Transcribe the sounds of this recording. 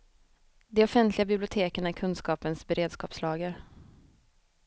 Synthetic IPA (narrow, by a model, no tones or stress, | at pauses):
d̪ɛɔfɛnt̪lɪɡabɪblɪʊt̪ʰeːkəɳæɾkʰɵnskɑːpənsbɛɾeːd̪skɑ̰ːpslɑːɡəɾ